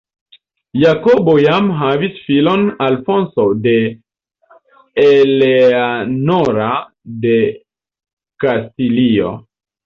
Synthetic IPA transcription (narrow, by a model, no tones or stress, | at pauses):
jakobo̞jamɦavisfilo̞nalfo̞nsode̞ | eleanoɾa | de̞ | kastilio̞̰